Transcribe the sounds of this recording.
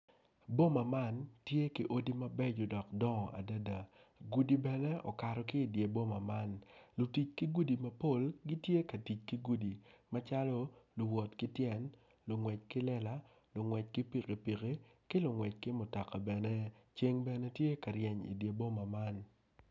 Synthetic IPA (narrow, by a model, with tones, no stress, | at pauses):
bo˦ma˨ma˦˨ntje˦ki˨ʔo˦di˦ma˦bɛ˦d͡ʒo˨dɔ˨kdɔ˦ŋɔ˨ʔa̰˨da˦da˨ | ɡu˨di˨bɛ˨nɛ˦ɔ̰˨ka˨ɾɔ˨kɪː˦˨dje˨bo˦ma˨ma˦nlʊ˨ti˨t͡ʃki˦ɡu˦di˨ma˦po˦˨lɡi˦tje˦kɐ˨ti˨t͡ʃki˦ɡu˦di˨ma˦t͡ʃa˦lɔ˦lʊ˨wɔ˨tkɪ˦tjɛ˦n | lʊ˨ŋwɛ˨t͡ʃkɪ˦lɛ˦la˦ | lʊ˨ŋwɛ˨t͡ʃ̚kɪ˦pi˨ke˨pi˨ke˦kɪ˦lʊ˨ŋwɛ˨t͡ʃ̚kɪ˦mʊ˨ta˨ka˨bɛ˨ne˦t͡ʃe˦ŋbɛ˨ne˦tje˦ka˨ɾjɛ˨ɲḭ˨dje˨bo˦ma˨ma˦n